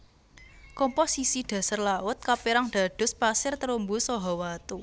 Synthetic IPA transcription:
kɔmposisiɖ̪̥ä̤sarlaʊt̪̚kapiɾaŋd̪̥a̤ɖ̪̥ʊ̤spasɪrt̪əɾumbusɔɦɔwat̪u

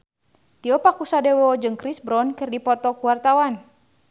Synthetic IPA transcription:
t̪iɔpakusadewɔd͡ʒɨŋkɾisbɾɔnkɨrdipɔt̪ɔkuwart̪awan

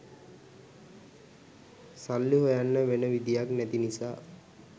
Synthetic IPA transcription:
salːiɦojanːəʋenəʋid̪ijaknɛt̪inisaː

